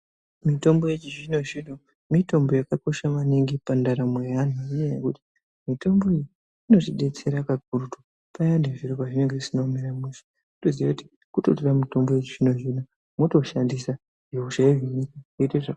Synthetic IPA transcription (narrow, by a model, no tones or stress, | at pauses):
mito̞mbo̞je̞t͡ʃiʐino̞ʐino | mito̞mbo̞jakako̞ʃamaniŋɡipandaɾamweanuinejḛkuti̥ | mito̞mbo̞iji | ino̞tiɗe̞t͡se̞ɾakak̚urutu | pajandeʐiɾopaʐineŋɡeisinomeɾamesi̥ | utoziʋakuti̥ | kuto̞toramito̞mbo̞je̞t͡ʃiʐino̞ʐina | moto̞ʃandisa | ʐeuʃaiɦinikaeiteʐa